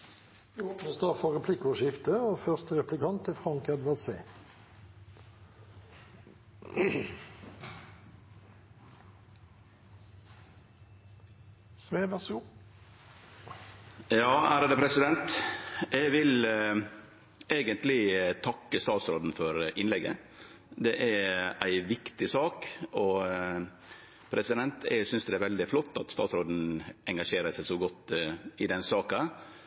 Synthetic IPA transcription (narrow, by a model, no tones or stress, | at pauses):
ʋɪoːpnəst̪ɑːfɔʁɛpʰlɪkːʊʃɪft̪əoːfœʁst̪əʁɛplɪkʰɑnt̪ʰːɪlfʁɑŋkɛd̪ʋæʁd̪seː | sʋeːʋæs | jɑːæːɾd̪ɛːpʰɾɛsɪd̪ɛnt̪ʔɛɡʋɪl | eːɡənt̪lɪt̪ʰɑkːəst̪ɑːt̪sɾoːd̪n̩fɔɾʔɪnlɛɡə̰ | d̪ɛʔææ̰ɪʋɪkt̪ɪsɑːkɔ | pʰɾʔɛsɪd̪ɛnt̪ʰɛ̰ɡsʏnsd̪ɛæɾʋɛld̪ɪflɔt̪ːɑt̪st̪ɑːt̪sɾoːd̪n̩ɛŋɡɑʂeːɾəsæɪsɔɡɔt̪ːɪd̪ɛnsɑːkɑ